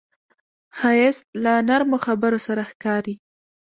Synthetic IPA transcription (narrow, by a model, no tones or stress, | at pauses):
xɑjɪslanaɾmoxabəɾosaɾaxkɑɾi